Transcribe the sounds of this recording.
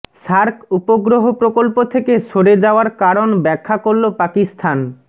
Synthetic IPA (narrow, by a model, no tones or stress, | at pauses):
ʃaɾkupoɡɾoɦopɾokolpot̪ʰekeʃoɽed͡ʑaoaɾkaɾonbɛkʰːakoɾlopakist̪ʰan